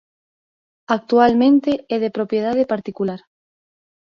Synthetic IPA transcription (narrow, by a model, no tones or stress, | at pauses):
ak̚t̪ualmẽnt̪eeðepɾopjeð̞að̞epaɾt̪ikulaɾ